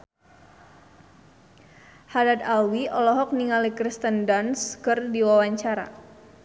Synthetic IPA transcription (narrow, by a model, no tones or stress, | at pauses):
hadad̪awiɔlɔɦɔk̚niŋalikɾist̪əndanskərdiwawaɲt͡ʃaɾa̰